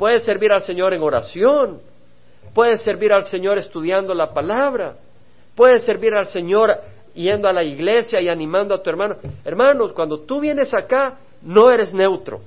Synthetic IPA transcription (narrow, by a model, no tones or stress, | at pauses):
pwe̞ðese̞ɾβiɾalse̞ɲo̞ɾe̞ŋo̞ɾa̰sjo̞n | pwe̞ðesːe̞ɾβiɾalse̞ɲo̞ɾe̞st̪uðjand̪o̞lapalaβɾa | pwe̞ðe̞sːe̞ɾβiɾalse̞ɲo̞ɾ | je̞nd̪oalaiɣle̞sjaianĩmãnd̪oat̪ue̞ɾmanoeɾmano̞skwand̪ot̪uβje̞ne̞saka | no̞e̞ɾe̞zne̞wt̪ɾo̞̰